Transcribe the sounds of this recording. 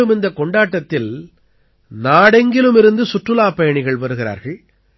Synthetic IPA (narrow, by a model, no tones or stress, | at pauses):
ɯmɪnd̪ɐkɔɳɖaːʈːɐt̪ːɪl | naːɽɛŋɡɪlɯmɪɾɯnd̪ɯsʊʈrɯlaːpɐjɐɳɪɣɐɭʋɐɾɯɣɪɾa̰ːɾɣɐɭ